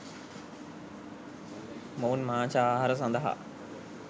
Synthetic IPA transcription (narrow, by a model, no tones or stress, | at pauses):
moːnmãt͡ɕʰaaːɦaɾəs̬ãnd̪aɦa̰ː